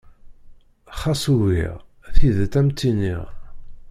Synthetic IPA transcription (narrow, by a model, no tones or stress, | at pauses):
χɑsˤuwḭʁ | θiðt̪æmt̪ːinḭʁ